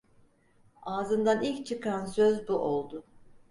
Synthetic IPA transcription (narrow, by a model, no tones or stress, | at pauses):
aːzɯnd̪anilʲct͡ʃʰɯkʰansøzbuʔolˠd̪ʊ